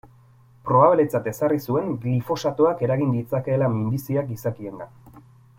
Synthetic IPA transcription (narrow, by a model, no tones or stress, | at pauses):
pɾoβaβilet͡sat̪e̞sarisue̞ŋɡlifo̞sat̪uake̞ɾaɣind̪it͡sake̞ːlamind̪isiakisakie̞nd̪a